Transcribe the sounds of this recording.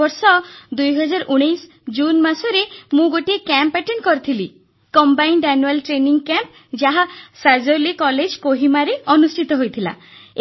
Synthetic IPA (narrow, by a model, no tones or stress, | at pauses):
ɔɾsɔd̪ujɦɔd͡ʒaɾɔʔuɽ̃ejs | d͡ʒunmasɔɾemũɡoʈiekɛmpɛʈeɳʈkɔɾit̪ʰili | kɔmbajɳɖɛnuelʈɾeniŋɡkɛmp | d͡ʒaɦasazolikɔled͡ʒkoɦimaɾeɔnusʈʰit̪ɔɦojt̪ʰila̰